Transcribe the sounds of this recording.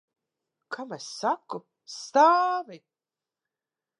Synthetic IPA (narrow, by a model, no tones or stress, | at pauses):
kʰamɛsːaku | st̪aːvi